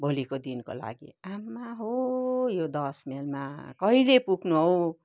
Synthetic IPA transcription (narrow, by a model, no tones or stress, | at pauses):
bʱolikod̪inko̰la̰ɡḭamːaɦojod̪ʌsmelma̰kʌilepuɡʱnuɦʌw